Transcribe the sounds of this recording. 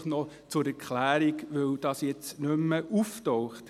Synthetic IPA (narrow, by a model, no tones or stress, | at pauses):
χnɔ | t͡sʊɾɛɾkχlæːɾiɡʋɵwd̥ɑːsjɛt͡snʏmːəʔuftɔwχt